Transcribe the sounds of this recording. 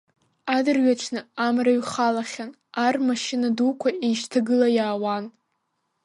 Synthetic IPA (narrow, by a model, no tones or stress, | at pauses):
adɨrɥat͡ʃʷʰnɨamraɥχalaχʲan | armaʃɪnadukʷʰaʔejʃtʰaɡɨlajaːwan